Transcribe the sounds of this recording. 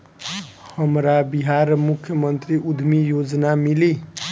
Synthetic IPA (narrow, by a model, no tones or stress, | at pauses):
həmɾabiɦaɾmukʰjəmʌnt̪ɾiʔud̪ʱmijod͡znamili